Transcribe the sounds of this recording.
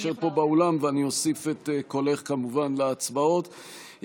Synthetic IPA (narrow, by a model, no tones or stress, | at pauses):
ʃeʁpo̞baolamveanio̞sifet̪eko̞le̞χkamuvanleat͡sbao̞t̪